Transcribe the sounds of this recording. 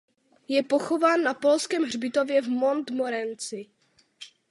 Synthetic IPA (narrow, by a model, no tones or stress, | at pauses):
jɛpo̞xo̞vaːnːapo̞lskɛːmɦr̝bɪt̪ovjɛvmo̞nt̪moɾɛnt͡sɪ